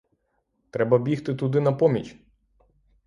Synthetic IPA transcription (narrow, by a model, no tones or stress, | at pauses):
t̪ɾɛbɐbʲixt̪ɪt̪ʊd̪ɪnɐpɔmʲit͡ʃʲ